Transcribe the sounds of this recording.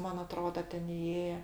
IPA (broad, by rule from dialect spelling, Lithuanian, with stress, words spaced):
ˈmɐn ɐˈtroːdɐ ˈtʲɛn ɪˈeːjɛ